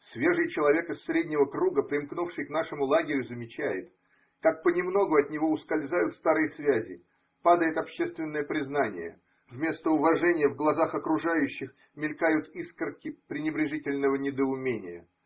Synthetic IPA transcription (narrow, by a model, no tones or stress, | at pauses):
svʲe̞ʐɨjt͡ɕɪlˠɐvʲe̞kɨsːɾʲedʲnʲɪvəkɾuɡəpɾʲɪmknufʂɨjknaʂɨmʊlˠaɡʲɪɾʲʊzəmʲɪt͡ɕæjɪ̰t̪ | kak̚pənʲɪmno̞ɡʊɐt̪nʲɪvoʊskɐlʲzajʊt̪st̪aɾɨjəsvʲæzʲɪ̰ | pad̪əjɪt̪ɐpɕːest̪vʲɪnːəjəpɾʲɪznanʲɪ̰jə̰ | vmʲe̞st̪əʊvɐʐɛnʲɪjəvɡlˠɐzaxɐkɾʊʐajʉɕːɪx | mʲɪlʲkajʊt̪iskərkʲɪpɾʲɪnʲɪbɾʲɪʐɨtʲɪlʲnəvənʲɪd̪əʊmʲenʲɪjə̰